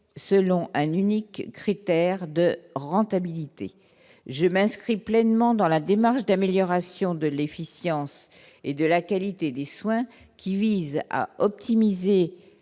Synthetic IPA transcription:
səlɔ̃ʔɛ̃nynikːχit̪ɛʁd̪əʁɑ̃t̪abilit̪ḛ | ʒəmɛ̃skχiplɛnmɑ̃d̪ɑ̃lad̪emaʁʃd̪ameljɔʁasjɔ̃d̪əlefisjɑ̃s | ed̪əlakalit̪ed̪eswɛ̃ | kʲiviza̰ɔp̚t̪imize

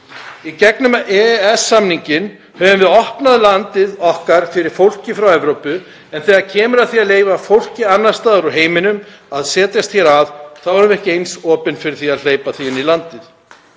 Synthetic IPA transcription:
icɛknʏmɛɛsːamniɲcɪn | hɛvʏmvɪðɔhpnaðlant̪ɪðɔhkaɾ̥fɪɾɪɾ̥fowl̥cɪfɾawɛvɾowpʏ | ɛnθɛːɣaɾcʰɛːmʏɾaðθiaðleːjvafowl̥cɪanːaɾ̥st̪aːðʏɾʏɦeːjmɪnʏmaðsɛːt̪jast̪çɛɾavθavɔɾʏmɛhcɪejnsɔːpʏnfɪɾɪɾ̥θiaðl̥eːjpaθiɪnilant̪ɪð

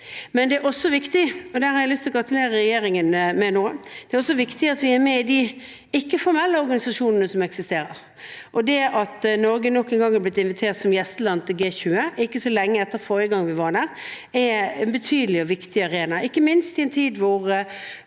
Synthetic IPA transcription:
mɛnd̪ɛæɾɔsːɔʋɪkt̪ɪɔd̪æːɾhɑɾæɪlʏst̪ʰlɔɡɾɑt̪ʉleːɾəɾɛjeːɾɪŋənmɛnoːd̪̥ɛæɾɔsːɔʋɪkt̪ɪɑt̪ʋɪæɾmɛɪd̪i | ɪkːəfɔɾmɛlːəɔɾɡɑnɪsɑʂuːnənəsɔmɛksɪst̪eːɾəɾ | ʔɔd̪ɛʔɑt̪nɔɾɡənɔkːɛnɡɑŋːhæɾblɪt̪ɪnʋɪt̪ʰeːɾt̪sɔmjɛst̪əlɑnt̪ʰɪlɡeːçʉːəʔɪkːəsɔlɛŋːəɛt̪ːəɾfoːɾəɡɑŋːʋɪʋɑɾd̪æːɾ | ɛɛnbət̪ʰyːd̪əlɪɔʋɪkt̪ɪɑɾeːnɑɪkːəmɪnst̪ɪɛnt̪ʰiːd̪ʋʊʁ

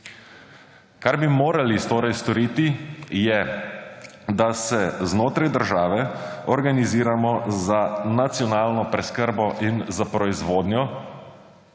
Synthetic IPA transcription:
kaɾbimoːɾalist̪oːɾajst̪ɔɾiːt̪ijɛ | d̪asɛznoːt̪ɾajd̪əɾʒaːʋɛɔɾɡaniziːɾamɔzanat̪sijɔnaːlnɔpɾɛskəɾbɔʔinzapɾɔizʋoːd̪njɔ

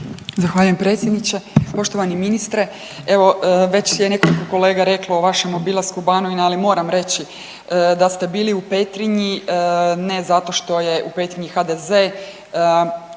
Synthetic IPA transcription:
zaxʋaːʎujempɾe̞ːt̪sʲjed̪nit͡ɕepo̞ʃt̪o̞ʋaniminist̪ɾe | e̞ʋo̞ʋe̞t͡ɕjene̞ko̞likoko̞le̞ːɡaɾe̞klooʋaʃemobilˠaskubanoʋinaalimo̞ːɾamɾe̞t͡ɕi | d̪ast̪e̞biːliupe̞t̪ɾiɲi | ne̞zat̪o̞ʃt̪o̞je̞ʔupe̞t̪ɾiɲixad̪eze

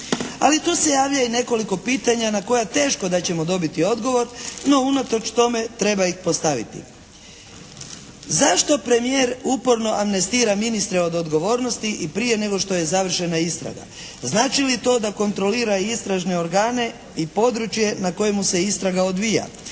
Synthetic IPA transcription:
a̰lit̪uːse̞jaːʋʎaine̞ko̞liko̞piːt̪aɲanako̞jat̪e̞ːʃko̞d̪at͡ɕe̞mod̪o̞bit̪io̞d̪ɡo̞ʋo̞ɾno̞unat̪o̞t͡ʃt̪o̞me̞t̪ɾe̞baixpo̞st̪aʋḭt̪ḭ | zaʃt̪o̞pɾe̞mije̞ːɾupo̞ɾno̞ʔamne̞st̪iːɾaminist̪ɾe̞o̞d̪o̞d̪ɡo̞ʋo̞ːɾno̞st̪iʔipɾije̞ne̞ɡo̞ʃt̪o̞je̞zaʋr̩ʃe̞naist̪ɾa̰ɡa̰ | znaːt͡ʃilit̪o̞ːd̪ako̞nt̪ɾo̞liːɾaist̪ɾaʒne̞o̞ɾɡaːne̞ | ipo̞d̪ɾut͡ʃje̞nako̞jemuse̞ist̪ɾaɡaod̪ʋija̰

